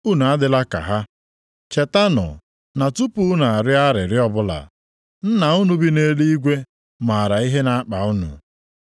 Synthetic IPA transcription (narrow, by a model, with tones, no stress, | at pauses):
u˦nu˨a˦dɪ˦la˦ka̰˨ɦa˦ | t͡ʃe˨ta˦nʊ̰˨ | na˨tu˦pu˦na˨a˨ɾɪ˦a˦ɾɪ˨ɾɪ˦ɔ˦bʊ˦la̰˨ | n̩˦na˨ʊ˦nu˦bi˦ne˦li˦i˦ɡʷe˦ | ma˨a˨ɾa˨i˦ɦe˦na˨a˦k͡pa˨ʊ˦nʊ̰˨